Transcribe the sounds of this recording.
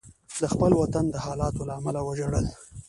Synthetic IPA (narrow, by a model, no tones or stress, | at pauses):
d̪əxpəlwat̪and̪əhɑlɑt̪olaːmalawaʒaɽəl